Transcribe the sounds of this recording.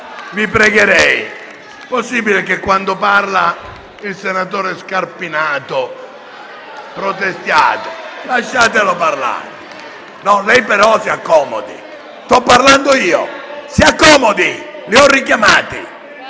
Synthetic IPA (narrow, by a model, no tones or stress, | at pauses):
vipɾɛɡeɾɛj | posːiːbilekekːwand̪oparla | ilsenat̪oːɾɛskarpinaːt̪o | pɾot̪est̪ja̰ːt̪elaʃːaːt̪eloparla̰ːɾe | nɔlɛjpɛɾɔsiakːɔːmo̰d̪ḭ | st̪ɔpːaɾland̪oiːo̰siakːɔːmod̪iliɔrːikjamaːt̪ḭ